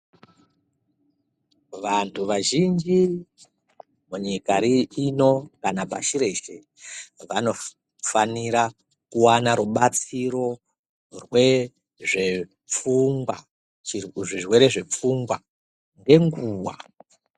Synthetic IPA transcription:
ʋantʰuʋaʒind͡ʒi | muɲikaɾiːno̞kanapa̰ʃiɾe̞ʃe | ʋano̞ | faniɾa | kuwanaɾuɓat͡siɾo̞ | rwe | ʐe | p͡fuŋɡwa | ʐirwe̞ɾe̞ʐe̞p͡fuŋɡwa | ŋɡe̞ŋɡuːwa̰

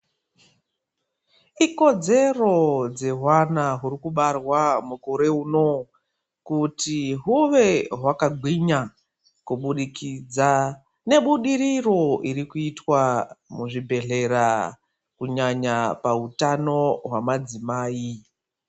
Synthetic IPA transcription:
iko̞d͡ze̞ro̞d͡ze̞ɦwanaɦuɾikuɓarwamukuɾe̞uːno̞ | kutiɦuʋe̞ɦwakaɡʱwiɲa | kuɓuɗikid͡za | ne̞ɓuɗiriro̞ʔiɾikuitwamuʐibʱe̞ɮe̞ɾa | kuɲaɲapautano̞ɦwamad͡zimaːi

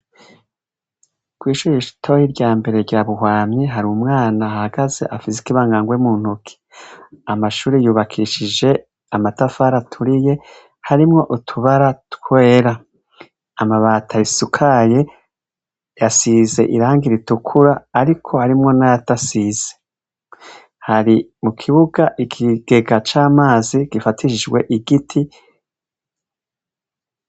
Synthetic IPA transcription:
kwiːʃuːɾeiʃu̥tʰo̞hiɾɟaːmbe̞ɾe̞ɾɟaβuɦwaːmɲeɦaɾiumŋaːnahaɡaze̞ʔafisi̥kiβaːŋɡaŋɡwemuːn̥hukʰi̥amaʃuːɾijuːβakʰiʃid͡ʒe̞ | amatafaːɾatʰuɾije̞ | haɾimŋo̞ʔutʰuβaɾatkwe̞ːɾa | amaβaːtʰaisukʰaje̞ | jasize̞̰ʔiɾaːŋɡiɾitukʰuɾaːɾikʰo̞haɾimŋo̞najatasiz̥e | haɾimukʰiβuɡaʔikʰiɡ̥e̞ɡat͡ʃaːmaːziɡ̥ifatʰiʃid͡ʒɡwe̞ʔiɡitʰi

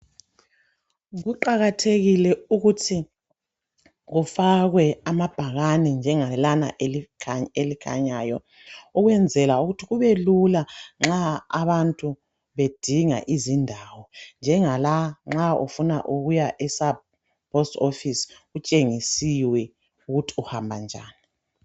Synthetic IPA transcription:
ɣuǃaɣatʰeɣilɛuɣutʰi | ɣufaɣwɛamab̥ʱaɣanɛnd͡ʒʱɛŋalanaʔelielikʰa̰ɲajɔ̰ | uɣwɛnd͡zʱɛlauɣutʰiɣuβelulaŋ͡ǁaːβantʼu | βed̥ʱiŋa̰ʔizindʱawɔnd͡ʒʱɛŋalaŋ͡ǁaṵfuna̰ʔuɣujaʔɛsab | pʰʼɔstʼofisut͡ʃʼeŋisiwɛ | uɣutʰi̥uhambʱa̰nd͡ʒʱa̰ːni

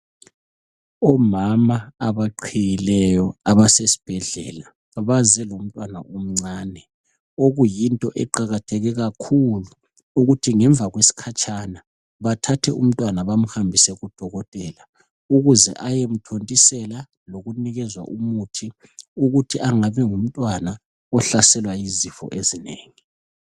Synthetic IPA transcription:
ɔmamaːβaǃʰijilɛjɔaβasesi̥b̥ʱɛɮɛ̰ːla | aβazɛlom̩tʼwana̰ʔom̩ŋ͡ǀaːnɛ | oɣujintʼɔʔɛǃaɣatʰɛɣɛɣakʰuluː | ɣutʰiŋɛɱb̪vʱaɣwesi̥kʰat͡ʃʼʰana | βatʰatʰɛʔum̩tʼwanaβam̩hambʱisɛɣud̥ʱɔɣɔtʼɛːla | uɣuzɛ̰ʔajem̩tʰontʼisɛla | loɣuniɣɛzwa̰ʔumutʰi | uɣutʰiʔaŋaβɛŋum̩tʼwana | ɔɬasɛlwajizifɔ̰ʔezineːŋi

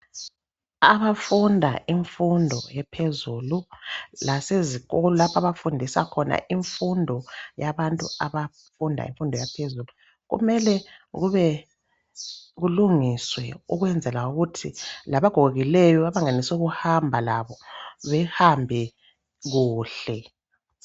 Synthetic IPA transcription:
aβafundʱa̰iɱfundʱɔ̰jɛpʰezululaseziɣɔlɔlapʰaβafundʱisa̰kʰɔna̰ʔiɱfundʱɔjaβantʼuaβa | fundʱa̰ḭɱfundʱɔjapʰezulu | ɣṵmɛlɛɣuβɛ | ɣuluŋiswɛuɣwɛnd͡zʱɛlauɣutʰilaβaɡ̥ʱɔɣoɣilɛjɔβaβaŋanisuɣuhambʱalaβɔβɛhambʱɛ | ɣuːɬɛ

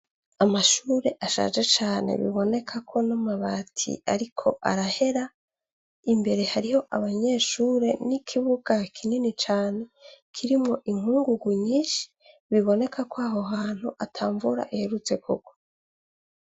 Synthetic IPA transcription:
amaʃuːɾe̞ʔaʃa̰ːd͡ʒe̞t͡ʃaːne̞̰βḭβo̞ne̞kʰakʰo̞namaβatʰḭʔa̰ɾikʰo̞ʔa̰ɾahe̞ɾa | imbe̞ɾe̞haɾiho̞ʔaβaɲe̞ʃuːɾe̞nikʰiβuɡ̥akʰininit͡ʃaːne̞kʰiɾimŋo̞ʔiŋ̥huːŋɡuɡuɲiːʃi̥ | βiβo̞ne̞kʰakwaɦoɦaːn̥huʔatʰaːɱvuɾa̰ʔiheɾut͡se̞kʰuko̥

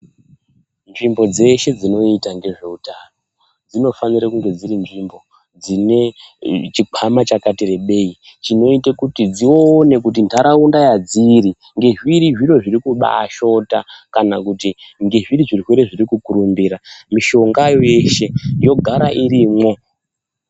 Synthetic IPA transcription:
nʐimbo̞d͡ze̞ʃe̞d͡zino̞itaŋɡe̞ʐe̞utano̞ | d͡zino̞faniɾakuŋɡe̞d͡ziɾinʐimbo̞ | d͡zine̞t͡ʃikʰamat͡ʃakatire̞ɓe̞i | t͡ʃino̞itekutid͡zioːne̞kut̬intaɾaundajad͡ziɾi | ŋɡe̞ʐiɾiʐiɾo̞ʐiɾikuɓa̰ʃo̞takanakutiŋɡe̞ʐiriʐiriweɾeʐiɾikukuɾumbiɾamiʃo̞ŋɡajoje̞ʃe̞jo̞ɡʱaɾaʔiɾiːmwo̞

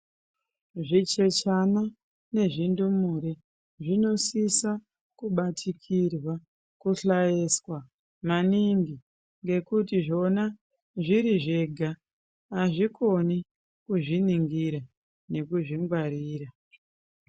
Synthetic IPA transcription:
ʐit͡ʃe̞t͡ʃana | ne̞ʐindumuɾe | ʐino̞sisa | kuɓatʰikʰirwa | kuɬajeswa | maniŋɡi | ŋɡe̞kutiʐo̞na | ʐiɾiʐeɡʱaː | ʐikʰo̞ni | kuʐiniŋɡiɾa | ne̞kuʐiŋɡwaɾiːra

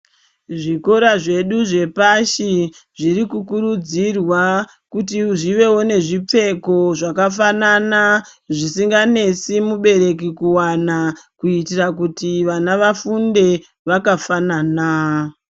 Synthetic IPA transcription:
ʐiko̞ɾaʐe̞ɗuʐe̞paʃi | ʐirikukuɾud͡zirwa | kutiʐiʋe̞wo̞ne̞ʐip͡fe̞ko̞ʐakafananaʐisiŋɡane̞simuɓe̞ɾe̞kikuwanakuitirakutiʋanaʋafunde̞ | ʋakafanaːna

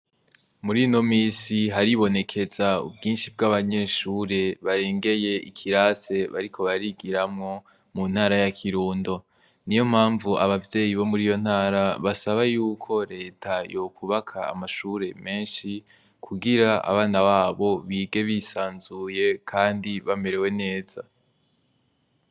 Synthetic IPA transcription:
muɾino̞miːsiɦaɾiβo̞ne̞kʰe̞zaṵbɡiːnʃibɡaβaɲe̞ʃuːɾe̞βaɾeːŋɡe̞je̞ikʰiɾase̞βaɾikʰo̞βaɾiɡiɾamŋo̞ | mun̥haːɾajakʰiɾuːndo̞ | nijo̞m̥haːɱvuaβavje̞ːjiβo̞muɾijo̞n̥haːɾaβasaβajuːkʰo̞ɾe̞ːtʰajo̞kʰuβakʰa̰ːmaʃuɾe̞me̞ːnʃi | kʰuɡiɾaa̰βaːnaβaːβo̞βiːɡe̞βisaːnzuje̞kʰaːndiβame̞ɾe̞we̞ne̞ːz̥a̰

